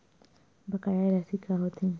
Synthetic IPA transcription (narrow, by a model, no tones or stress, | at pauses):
bɐkajaɾasikaɦot̪ʰĩ